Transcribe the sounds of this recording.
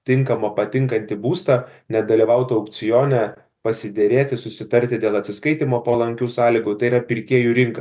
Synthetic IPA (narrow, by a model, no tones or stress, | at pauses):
t̪ʲɪŋkɐmɐpɐt̪ʲɪŋkɐnʲt̪ʲɪbuːst̪ɐnʲɛd̪ɐlʲiʋɐʊt̪oɐʊk̪sʲɪjoːnʲɛ | pɐsʲɪd̪ʲeɾʲeːt̪ʲɪsʊsʲɪt̪ɐɾʲt̪ʲɪd̪ʲeːlˠɐt̪sʲɪskɐɪt̪ʲimoːpɐlˠɐŋʲkʲuːsɑːlʲɪɡʊt̪ɐɪiɾɐpʲɪɾʲkʲiɛjuːɾʲɪŋkɐs